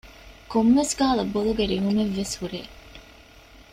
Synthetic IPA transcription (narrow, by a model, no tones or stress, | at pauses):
komʋesɡaːlɐboluɡeɾiɦumeʋːeshuɾeː